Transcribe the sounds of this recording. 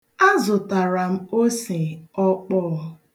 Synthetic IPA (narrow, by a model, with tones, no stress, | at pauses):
a˦zʊ˨ta˨ɾa˨m̩˦o˦se˨ɔ˦k͡pɔː˦